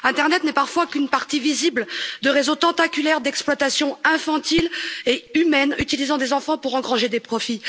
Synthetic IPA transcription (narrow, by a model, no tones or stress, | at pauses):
ɛ̃t̪ɛʁnɛt̪nɛpaʁfwakynpaʁt̪ivizibld̪əʁezõt̪ɑ̃t̪akʲylɛʁd̪ɛksplwat̪asjɔ̃ɛ̃fɑ̃t̪ileymɛnyt̪ilizɑ̃d̪ezɑ̃fɑ̃puʁɑ̃ɡʁɑ̃ʒed̪epχɔfi